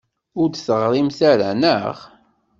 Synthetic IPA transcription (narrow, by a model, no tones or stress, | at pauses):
ʊɾd̪θəʁɾˤimθaɾæ̰nə̰ʁ